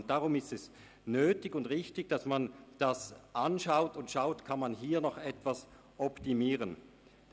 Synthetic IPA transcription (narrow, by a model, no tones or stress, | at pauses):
nt̚d̥aʁʊmɪstɛs | nøːtɪɡʊndʁɪçtɪçd̥asmand̥asʔanʃaʊtʊntʃaʊtkʰanmanɦiːɐnɔχɛtv̥as | ʔɔptimiːʁən